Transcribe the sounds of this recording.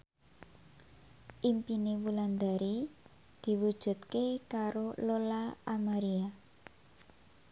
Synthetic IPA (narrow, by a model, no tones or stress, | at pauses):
ʔimpinewuland̪aɾi | d̪̥i̤wud̥ʒ̥ṳt̪̚kekaɾololaːmaɾia